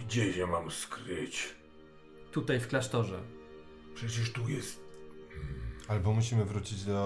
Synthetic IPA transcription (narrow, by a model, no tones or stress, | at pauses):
ɡd͡ʑɛɕɛmamskɾɘt͡ɕ | t̪ut̪ajfklaʂt̪ɔʐɛ̰ | pʂɛt͡ɕɛʂt̪ujɛst̪̚ | albɔmuɕ̬imɘvɾut͡ɕid͡ʑd̪ɔ